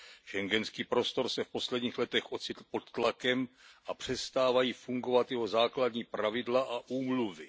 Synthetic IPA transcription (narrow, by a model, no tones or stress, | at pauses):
ʃɛŋɡɛnskiːpɾo̞st̪o̞ɾsɛfpo̞slɛdɲiːxlɛt̪ɛxʔo̞t͡sɪt̪l̩po̞t̪ːlakɛmʔapr̝̥ɛst̪aːvajiːfuŋɡo̞vat̪jɛɦo̞zaːkladɲiːpɾavɪdlaʔaʔuːmluvɪ